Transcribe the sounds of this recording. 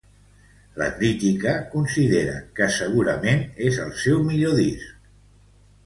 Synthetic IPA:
lə̰kɾit̪ikəkunsiðeɾə̰kəsəɣ̞uɾəmenezəlˠsɛwmiʎoðisk

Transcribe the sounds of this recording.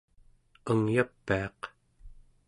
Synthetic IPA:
əŋjapːiɑq

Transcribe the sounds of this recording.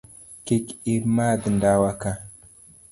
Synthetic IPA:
kikimad̪əndawaka

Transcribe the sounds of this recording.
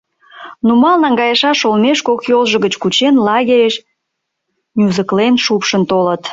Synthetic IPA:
numɑlˠnɑŋɡɑjəʃɑʃolmeʃkokjolˠʒə̆ɣət͡ɕkut͡ɕenlɑɣʲeɾeʃ | nʲuzəklenʃupʃənt̪olət̪

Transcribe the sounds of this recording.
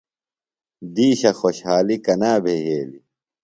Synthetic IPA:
d̪iːɕɐxoɕhaːlikɐnaːbʱeɦeːli

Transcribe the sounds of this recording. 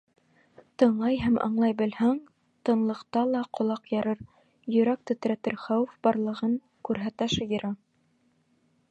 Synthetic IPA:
t̪ɤ̆ɴlˠɑjɦæmʔɑ̰ɴlˠɑjbɘ̆lhæŋ | t̪ɤ̆nlˠɤ̆qt̪ɑlˠɑqŏlˠɑqjɑɾɤɾ | jɵ̆ɾæk̚t̪ɵ̆t̪ɾæt̪ɘɾχɑwɘfbɑɾlˠɤ̆ʁɤŋ | kʉɾɦæt̪æʃɤjɤ̆ɾɑ

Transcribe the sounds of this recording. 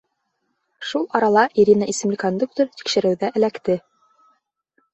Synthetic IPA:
ʃulˠɑɾɑlˠɑʔiɾʲinəʔisɘ̆mlɘkond̪uk̚t̪oɾt̪i̥kʃɘ̆ɾɘ̆wðæʔɘ̆lækt̪ɘ

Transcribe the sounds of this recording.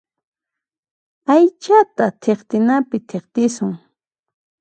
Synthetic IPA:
ajt͡ʃat̪at̪ʰeχt̪ɪnapɪt̪ʰeχt̪ɪsʊŋ

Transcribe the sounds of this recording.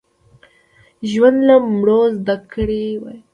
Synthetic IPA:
ʒwand̪lamɽozd̪akɽewaj

